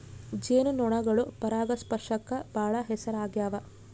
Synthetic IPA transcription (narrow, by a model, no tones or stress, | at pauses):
d͡ʒeːnunɔɳɐɡɐɭupɐɾaːɡɐspɐɾʂɐkːɐbʱaːɭɐɦɛsɐɾaːɡjaːʋɐ